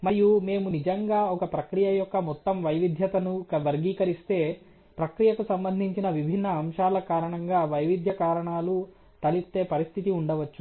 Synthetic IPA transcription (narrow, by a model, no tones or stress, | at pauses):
mɐɾijume̞ːmunid͡ʒɐŋɡaːɔkɐpɾɐkɾijɐjɔkːɐmɔt̪ːɐmʋɐjʋid̪ʱjɐt̪ɐnukɐʋɐɾɡiːkɐɾist̪e̞ː | pɾɐkɾijɐkusɐmbɐnd̪ʱiɲt͡ʃinɐʋibʱinːɐːmʃaːlɐkaːɾɐɳɐŋɡaːʋɐjʋid̪ʱjɐkaːɾɐɳaːlu | t̪ɐlist̪e̞ːpɐɾist̪ʰit̪iuɳɖɐʋɐt͡ʃːu